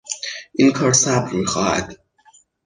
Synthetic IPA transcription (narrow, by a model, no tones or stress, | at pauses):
ʔinkʰɒːɾsæbɾmixɒ̰ːhæ̰d̪̥